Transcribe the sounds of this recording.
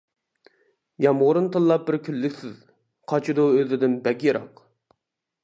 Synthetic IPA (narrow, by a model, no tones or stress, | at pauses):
jɑmʁʊɾunt̪ɨlˠlːˠɑp̚bɪɾkʲʰylːykʲsɪz | qʰɑt͡ʃʰid̪uøzɪd̪ɪnbɛkʲjeɾɑq